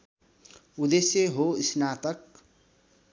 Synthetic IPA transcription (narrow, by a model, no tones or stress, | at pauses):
ud̪esjeɦoisnaːt̪ʌk̚